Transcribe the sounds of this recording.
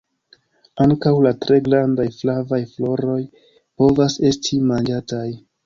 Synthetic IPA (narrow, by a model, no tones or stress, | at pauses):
aŋkawlatɾe̞ɡɾandajflavajflo̞ɾo̞j | po̞vase̞stʰimand͡ʒataj